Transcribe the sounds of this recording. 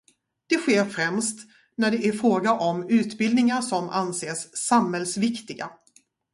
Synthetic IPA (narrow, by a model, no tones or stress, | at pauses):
d̪̥ɛɧeːɾfɾɛmst̪ | næɖɛʔæɾfɾoːɡaʔɔmʉ̟ːt̪bɪld̪nɪŋasɔma̰nseːsːamhɛlsvɪkt̪ɪɡa